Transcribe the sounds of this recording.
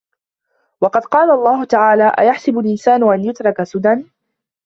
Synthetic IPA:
wɑqɑd̪qɑːlaʔɑlˤːɑːɦʊt̪aʕaːlaːʔa̰jaħsɪbʊlʔɪnsaːnʊʔanjʊt̪ɾˤɑkasʊd̪an

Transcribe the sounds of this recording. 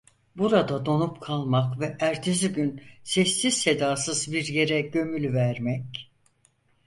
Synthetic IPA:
buɾad̪ad̪o̞nupkʰalˠmakvɛʔæɾt̪ʰeziɟynsɛsːiz̥se̞d̪aːsɯzbiɾje̞ɾɛɟø̞mylʲvæɾmɛc

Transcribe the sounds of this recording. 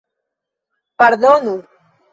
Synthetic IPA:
paɾðonu

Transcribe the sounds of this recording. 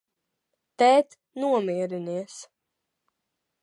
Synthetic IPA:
t̪ɛːt̪ | nuɔmiɛɾiniɛs

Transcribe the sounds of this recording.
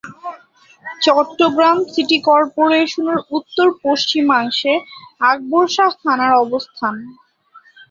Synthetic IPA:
t͡ɕɔʈːoɡɾamsiʈikɔɾpoɾeʃoneɾut̪ːoɾpoʃt͡ɕimaŋʃeaɡ̚boɾʃast̪ʰanaɾɔbost̪ʰan

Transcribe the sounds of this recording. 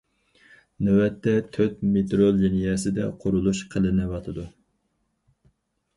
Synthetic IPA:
nɛwɛt̪ʰːɛt̪ʰøt̪met̪ɾolˠd͡ʒinijɛsɪd̪ɛ̰qʰoɾulˠuʃqʰəlˠɨnɨwɑt̪ʰɨd̪u

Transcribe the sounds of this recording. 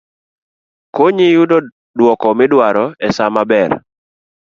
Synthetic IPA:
koɲijudo | dwɔkɔmɪdwaɾɔɛsamabɛr

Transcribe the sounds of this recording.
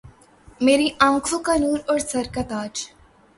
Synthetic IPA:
meːɾiʔãːŋkʰokɐnuːɾɔːɾsɐɾkɐt̪aːd͡ʒ

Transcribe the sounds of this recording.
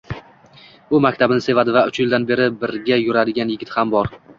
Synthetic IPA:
ʊmakʲt̪ʰabɪnɪse̞vad̪ɪvaʊt͡ʃjɪld̪anbe̞ɾɪbɪɾɡʲajʊɾad̪ɪɡʲanjɪɡʲɪt̪hambɒɾ

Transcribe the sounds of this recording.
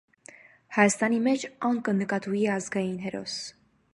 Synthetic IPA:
hɑjɑst̪ɑnimɛt͡ʃʰɑŋkənəkɑt̪ujiɑzɡɑjinɦɛɾɔ̰s

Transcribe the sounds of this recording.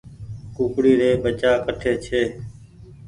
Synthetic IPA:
kuːkɽiːɾeːbət͡ʃaːkəʈʰeːt͡ʃʰeː

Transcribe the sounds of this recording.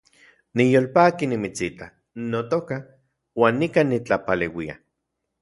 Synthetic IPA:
nijoːlpaːkinimit͡sit̪a | not̪oka | waːnːikanit͡ɬapalewia̰

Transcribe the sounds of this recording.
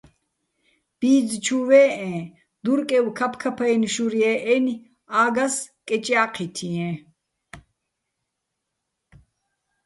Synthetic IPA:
b̥iːd͡zt͡ʃʰuwɛːɛ̃ː | d̪uɾkʼɛwkʰɐpʰkʰɐpʰɐɛniʃuɾiɛʔɛni | aːɡɐskʼɛt͡ʃʼjaːqʰit̪ʰiɛ̃

